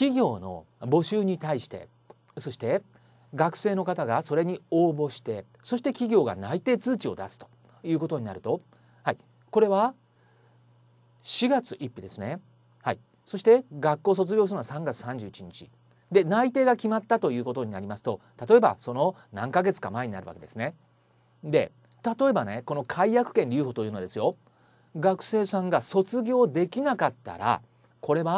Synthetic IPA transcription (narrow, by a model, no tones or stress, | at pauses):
kʲiɡʲo̞ːno̞̰ | bo̞ɕɨːɲ̟it̪aiɕi̥t̪e̞̰ | so̞ɕi̥t̪e̞ | ɡakɯ̟̥se̞ːno̞kat̪aɡaso̞ɾe̞ɲ̟io̞ːbo̞ɕi̥t̪e̞ | so̞ɕi̥t̪e̞kʲiɡʲo̞ːɡa̰nait̪e̞ːt͡sɨːt͡ɕio̞d̪asɨ̥t̪o̥ | jɯ̟ːko̞t̪o̞ɲ̟inaɾɯ̟t̪o̞ | hai | ko̞ɾe̞βa | ɕiɡat͡sɨʔipːʲid̪e̞sɨne̞ | hai | so̞ɕi̥t̪e̞ɡakːo̞ːs̬o̞t͡sɨɡʲoːsɯnoasãŋɡat͡sɨ̥sãɲ̟d͡ʑɨːit͡ɕiɲ̟it͡ɕi | d̪e̞nait̪e̞ːɡakʲimat̪ːat̪o̞jɯ̟ːko̞t̪o̞ɲ̟inaɾʲimasɨ̥t̪o̞t̪at̪o̞e̞ba̰so̞no | nãŋkaɡe̞t͡sɨ̥ka̰mae̞ɲ̟inaɾɯ̟βa̰ked̪e̞sɨne̞ | d̪e̞ | t̪at̪o̞e̞bane̞ko̞no̞kʰaijakɯ̟̥kẽ̞ɲɾʲɯ̟ːho̞ːt̪ojɯnoad̪e̞sɨjo̞ | ɡakɯ̟̥se̞ːsãŋɡaso̞t͡sɨɡʲo̞ːd̪e̞kʲinakat̪ːa̰ɾa̰ | ko̞ɾe̞βa